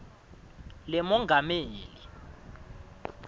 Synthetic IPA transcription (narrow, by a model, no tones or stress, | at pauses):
lɛmɔŋɡʱameːli